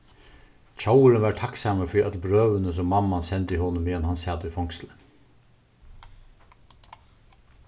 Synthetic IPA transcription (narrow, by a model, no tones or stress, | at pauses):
c͡çawəɾənʋæːʈʰɑksɑːməfiːʔœt̪lbɾøːʋənəs̬ɔmːɑmːɑnsɛnt̪iːhɔnəmeːɛnhɑnsɑːt̪əifɔŋkslə